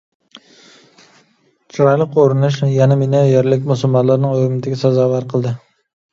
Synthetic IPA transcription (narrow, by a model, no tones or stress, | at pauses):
t͡ʃʰʊɾɒjlˠɪqʰːoɾɪnɪʃ̬janamenajeɾlɪkʲmʊsʊlˠmɑnlaɾnɪŋoɾɪmɪt̪ʰaɡʲasazɑvaɾqʰɨlˠd̪ɪ